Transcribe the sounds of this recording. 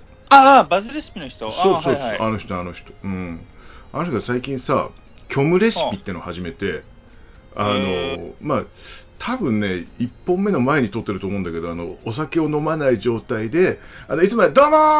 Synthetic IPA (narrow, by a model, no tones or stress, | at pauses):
abazɨɾesɨ̥pʲinoçi̥t̪osoːso̞ːano̞çi̥t̪oano̞çi̥t̪o̥ɯ̟̃ɴanoçitoksaikʲĩɰ̃sa̰ | kʲʰo̞mɯ̟ɾe̞ɕɨ̥ppʲit̪ːenohaʑime̞t̪e̞ | ano̞ma | t̪ʰabɯ̟̃nːe̞ipːõ̞mːe̞no̞mae̞ɲ̟it̪o̞t̪ːe̞ɾɯ̟oːmo̞ɯ̃nd̪ake̞d̪o̞ano̞ːs̬ake̞o̞no̞manaiʑo̞ːt̪aid̪e̞anoit͡sɨmaed̪oːno